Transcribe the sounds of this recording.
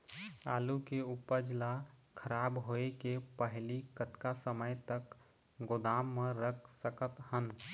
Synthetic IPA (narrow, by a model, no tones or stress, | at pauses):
a̰ːlukeupəd͡ʒlakʰəɾaːbɦoekepəɦlikət̪kasəməjt̪ək | ɡʊd̪aːmːẽɾəkʰsəkət̪hən